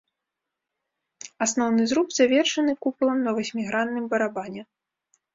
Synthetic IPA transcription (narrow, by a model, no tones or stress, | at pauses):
asnɔwnɨzɾupz̥avʲɛrʂɐnɨkupulˠɐmnɐvasʲmʲiɣɾant̪ːɨmbɐɾabanʲɛ